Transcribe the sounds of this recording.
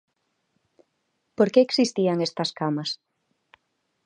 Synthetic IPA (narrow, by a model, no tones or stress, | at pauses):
poɾkeːksist̪iaŋest̪ɐskamɐs